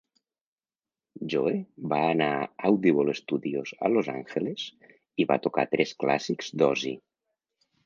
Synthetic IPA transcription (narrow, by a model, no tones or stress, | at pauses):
ʒoebaːnaawðiβolest̪uðioza̰loza̰ŋxelez̥ | iβa̰t̪oka̰t̪ɾʔɛskla̰sikzd̪ɔzi